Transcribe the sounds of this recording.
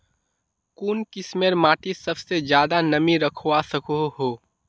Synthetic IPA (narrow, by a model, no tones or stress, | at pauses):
kuːnkɪsmeɾmaːʈisɐbsed͡ʒjaːd̪anɐmiɾɐkʰowasɐkoɦoː